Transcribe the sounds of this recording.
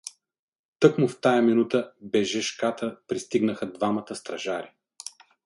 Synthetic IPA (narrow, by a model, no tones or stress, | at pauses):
t̪ɤkmʊft̪ajɐminut̪əbɛʒɛʃkat̪əpɾist̪iɡnəxəd̪vamɐt̪əst̪ɾɐʒaɾi